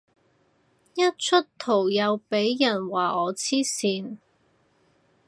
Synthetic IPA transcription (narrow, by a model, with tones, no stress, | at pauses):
jɐ˥t̚t͡ʃʰɵ˥tt̪ʰo˨˩wjɐ˨˧wpe˨˥jːɐ˨˩nwaː˨˩ɔː˨˧t͡sʰiː˥siː˨˧n